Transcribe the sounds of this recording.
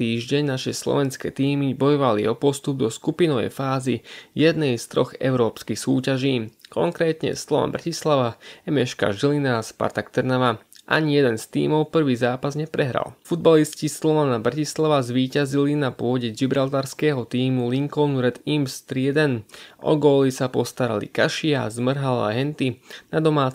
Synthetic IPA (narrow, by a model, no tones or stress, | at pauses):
iːʒɟɛɲnaʃɛslɔ̰ʋɛnskɛːt̪iːmibɔjɔʋalḭɔpɔst̪ub̚d̪ɔskupinɔʋɛ̰jfaːzijɛd̪nɛjst̪ɾɔ̰ɣɛ̰ʊɾɔːpskixsuːcaʒiːkɔŋkɾɛːt̪ɲɛ̰slɔʋa̰mbɾacislaʋaɛmɛʃka̰ʒilinaspa̰ɾt̪akt̪ɛɾnaʋaʔa̰ɲijɛd̪ɛnst̪ḭːmɔʊpr̩ʋiːzaːpazɲɛpɾɛɦɾa̰lfud̪̚baliscislɔʋanabɾacislaʋazʋiːcazilinapʊɔɟɛd͡ʒibɾalt̪aɾskɛːɦɔt̪iːmuliŋkɔnuɾɛt̪imst̪ɾiɛd̪ɛnʔɔ̰ɡɔːlisapɔst̪aɾa̰lḭkaʃia̰zmr̩ɦala̰ɦɛnt̪inad̪ɔmaːt͡s